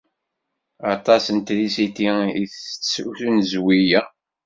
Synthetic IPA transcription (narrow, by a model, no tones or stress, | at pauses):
ɑt̪ˤɑsənt̪ðisit̪iiθt͡sːsuθunzwijæ